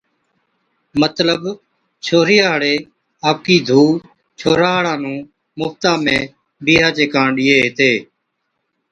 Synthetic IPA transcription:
mət̪ləb | t͡ʃʰoːɾɪjaːɦəɽeː | aːp̚kiːd̪ʱuː | t͡ʃʰoːɾaːɦɽãːnũː | mʊːft̪ãːmẽː | biːɦaːt͡ʃeːkãːɳɗɪːeːɦɪt̪eː

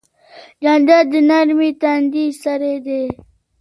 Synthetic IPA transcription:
d͡ʒand̪ad̪inaɾmit̪and̪isɐɾed̪e

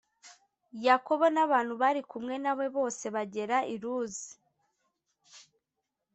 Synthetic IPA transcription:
jako̞βo̞naβaːn̥huβaɾikumŋe̞naβwe̞βo̞ːse̞βaɟe̞ɾaʔiɾuːzi̥

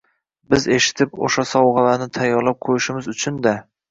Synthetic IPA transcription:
bɪze̞ʃɪ̥t̪ʰɪpo̰ʃasɒwʁɑlanɪt̪ʰajːɒɾlˠap̚qʰojɪʃɪmɪzʊt͡ʃʰʊnd̪a

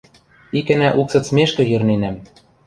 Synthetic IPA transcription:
ikɘ̆næʔuksɤ̆t̪smeʃkɤ̆jɘ̆rnenæm

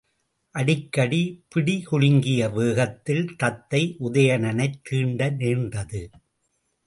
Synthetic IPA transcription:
ʔɐɽɪkːɐɽipɪɽihʊɻɪŋɡɪjɐʋeːɣɐt̪ːɪlt̪ɐt̪ːɐɪʔʊðɐjɐɳɐnɐɪt̪ʰːiːɳɖɐneːndɐðɯ

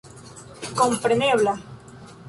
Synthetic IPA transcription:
kompɾeneβla

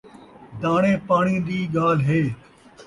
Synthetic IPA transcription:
d̪aːɳ̃ẽːpaːɳ̃ĩːd̪iːɠaːlɦeː

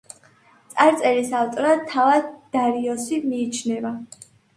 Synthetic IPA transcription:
t̪sʼaɾt̪sʼɛlisalt̪ʼɔɾat̪ʰːavad̪d̪̥aɾiɔsimiːt͡ʃʰnɛva

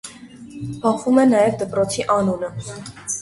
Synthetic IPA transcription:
b̥ɑχumɛnɑjɛvd̪əpɾɔt͡sʰiʔɑnunə

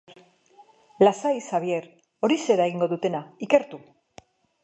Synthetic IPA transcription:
lasajsaβ̞je̞ɾ | o̞ɾise̞ɾaeɣiŋɡo̞ðut̪e̞naike̞ɾt̪u

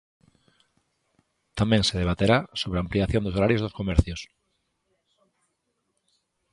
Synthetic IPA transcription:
t̪amẽŋseð̞eβ̞at̪eɾasoβeampliaθjõnd̪osoɾaɾjozðoskomɛɾθjos

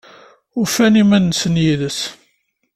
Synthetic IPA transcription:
ʊfænimænːsənjiðəs

